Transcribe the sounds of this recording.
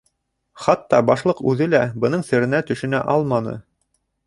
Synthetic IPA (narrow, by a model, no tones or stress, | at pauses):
χɑt̪ːɑbɑʃlˠɤqʉðɘlæbɤ̆nɤɴsɘ̆ɾɘ̆næt̪ɵ̆ʃɘ̆næ̰ʔɑlˠmɑnɤ̰